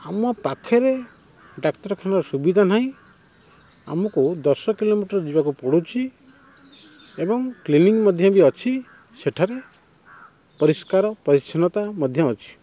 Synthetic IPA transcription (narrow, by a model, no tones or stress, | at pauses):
amɔpakʰɔɾe | ɖakʈɔɾkʰanɔɾɔsubid̪ʱanaɦĩ | a̰mɔkud̪ɔsɔkilomiʈɔɾɔd͡ʒibakupɔɽut͡ʃʰi | ebɔŋkliniŋmɔd̪ʱjɔbiɔt͡ʃʰi | seʈʰaɾe | pɔɾiskaɾɔpɔɾisʰɔnɔt̪amɔd̪ʱjɔɔt͡ʃʰi̥